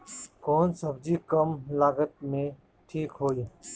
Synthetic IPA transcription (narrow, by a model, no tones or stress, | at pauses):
koːnsəbd͡ʒiːkəmlaːɡət̪̚mẽ | ʈʰiːkɦoːi